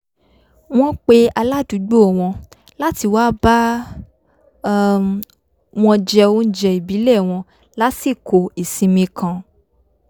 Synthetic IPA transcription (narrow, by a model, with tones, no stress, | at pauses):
w̃ɔ̃˦k͡pe˧˦a˧la˦˨du˨˦ɡ͡bo˦˨w̃ɔ̃˧ | la˦ti˧waː˦ba˦ | w̃ɔ̃˧d͡ʒɛ˧o˧˦n̩˦d͡ʒɛ˧i˨bi˨˦lɛ˦˨w̃ɔ̃˧ | la˦si˦˨kʰo˨i˨sĩ˧mĩ˧kʰã˧